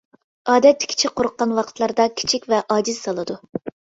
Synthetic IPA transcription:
ɑːd̪ɛt̪ːɪ̥kʲʰi̥t͡ʃʰik̚ʲqʰoɾʊqːɑnwɑqʰət̪ʰlˠɑɾd̪ɑkʲʰi̥t͡ʃʰikʲvɛʔɑːd͡ʒiz̥sɑlˠɨd̪u

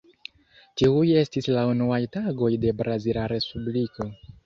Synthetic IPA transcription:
tiuje̞stislaunuajtaɡo̞jde̞bɾazilaɾe̞spubliko̞

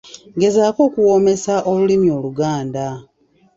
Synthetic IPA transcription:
ŋɡe̞zaːko̞ːkuwo̞me̞saʔo̞lulimjo̞ːluɡaːnda

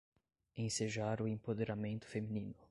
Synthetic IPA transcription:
ẽseʒaɾʊẽmpod̪eɾamẽnt̪ʊ̥feminĩnʊ

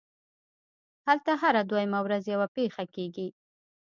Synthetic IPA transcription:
halt̪aɦaɾad̪wajmawɾazjawapexakeɡi

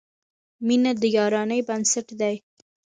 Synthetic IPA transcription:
minad̪əjɑɾɑnəjbansaʈd̪aj

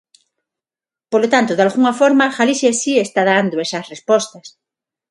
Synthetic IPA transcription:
polot̪ant̪oðalɣuŋafoɾmaxalisjesiest̪aðand̪oesɐsrespost̪ɐs

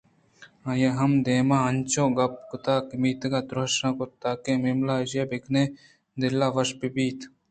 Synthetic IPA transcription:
ajeɦɐmd̪eːmãːɐnʲt͡ʃoːɡɐp̚kʊt̪aːkmiːt̪ɡaːt̪ɾɐʃãːkot̪aːkẽːmimlaːiʃjeːbikneː | d̪ɪlːaːʋɐʃpibiːt̪

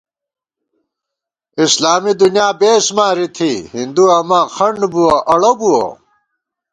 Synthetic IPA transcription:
islaːmid̪unjaːbeːsmaːɾit̪ʰihind̪uɐmaːxɐɳɖbuwoʔɐɽobuo̰

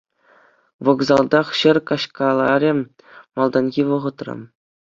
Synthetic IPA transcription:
ʋɤ̆ɡzɑlˠd̪ɑχɕɘ̆rkɑɕkɑlˠɑɾʲĕ | mɑlˠd̪ɑnɡʲiʋɤ̆ʁɤ̆t̪rɤ̰̆

